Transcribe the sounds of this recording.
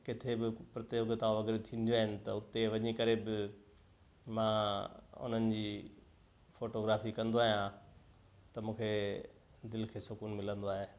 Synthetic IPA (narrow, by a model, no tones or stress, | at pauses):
kɪt̪ʰebɪpɾɐt̪eoɡt̪ãʋɐɡɾet̪ʰĩːn̆d̪joaːɦɪnɪ̆t̪ɐʊt̪eʋɐɲikɐɾebɪ | mãːʊ̰n̤ənɪ̆d͡ʑiː | foːʈoɡɾaːfikɐ̃nd̪oaːɦijã | t̪ɐmũːkʰe | d̪ɪlkʰeːsʊkuːnmɪlə̃nd̪oaːɦeː